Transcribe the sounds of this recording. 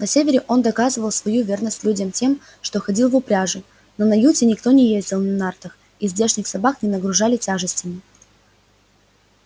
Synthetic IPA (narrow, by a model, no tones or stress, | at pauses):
nɐsʲevʲɪɾʲɪʔo̞nd̪ɐkazɨvəlˠsvɐjuvʲe̞rnəsʲtʲlʲudʲəmtʲe̞m | ʂt̪o̞xɐdʲilˠvʊpɾʲaʐɨ | nənɐjutʲɪnʲɪkt̪o̞nʲɪjezʲdʲɪlˠnɐnart̪əx | izʲdʲe̞ʂnʲɪxsɐbaknʲɪnəɡɾʊʐalʲɪtʲaʐɨsʲtʲɪmʲɪ